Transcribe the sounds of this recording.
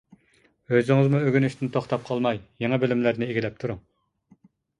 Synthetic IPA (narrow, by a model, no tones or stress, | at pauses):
øzɪŋɨzmuøɡʲynyʃt̪ʰɪnt̪ʰoχt̪ɑp̚qʰɑlˠmɑjjeŋɑbɪlɪmlæɾnɪeɡʲilɛp̚t̪ʰuɾu